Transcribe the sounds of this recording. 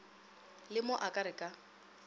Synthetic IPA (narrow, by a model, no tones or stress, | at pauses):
lɪmʊʔakʼaɾɪkʼa